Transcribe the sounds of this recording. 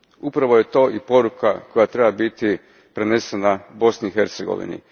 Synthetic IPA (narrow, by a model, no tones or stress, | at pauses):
upɾaʋo̞je̞t̪o̞ːʔipo̞ɾukako̞jat̪ɾebabit̪i | pɾene̞senabo̞sniixe̞ɾt̪seɡo̞̰ʋḭnḭ